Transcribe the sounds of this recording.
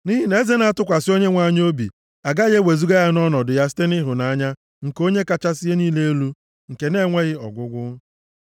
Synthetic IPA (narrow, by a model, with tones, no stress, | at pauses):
ni˦ɦi˦ne˦ze˦na˦a˦tʊ˦kʷa˨sɪ˦o˦ɲe˦ŋʷa˦ɲ˦o˦bḭ˨ | a˨ɡa˦ɣe˦we˨zu˦ɡa˦ja˦nɔ˦nɔ˨dʊ˨ja˦s̬i̥˦te˦nɪ˦ɦʊ˨na˨a˦ɲa˦ | ŋ̩˨ko˦ɲe˦ka˦t͡ʃa˦sɪ˦je˦niː˦le˦e˦lu˦ | ŋ̩˨ke˨ne˦ŋʷe˦ɣɪ˦ɔ̰˨ɡʷʊ˦ɡʷʊ˦